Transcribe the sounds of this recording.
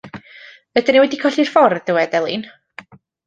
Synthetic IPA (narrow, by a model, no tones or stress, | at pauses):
vɛdəniwɛdikʰɔɬir̥fɔrðɪwɛdɛlˠin